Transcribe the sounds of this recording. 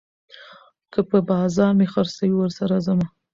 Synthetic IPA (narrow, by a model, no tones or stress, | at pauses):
kəpəbɑzɑɾmexaɾsawiwəɾsaɾazama